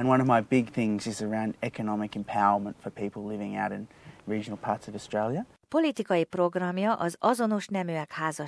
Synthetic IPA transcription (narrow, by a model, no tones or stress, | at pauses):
ɨ̃nwʌ̃nʌvmaɪbɪɡ̚θɪ̃ŋzɨzə˞ãʊ̃ndɛkɨnɑmɨkɨ̃mpʰaʊə˞mə̃ntfə˞pʰiplˠlɪvɪ̃ŋaʊɾɨ̃nɹid͡ʒənl̩ˠpʰɑɹtsʌvəstɹ̥eɪlˠjə | po̞lit̪ikɒjipro̞ɡrɒmjɒʔɒzɒzo̞noʃnɛmøɛkhaːzɒ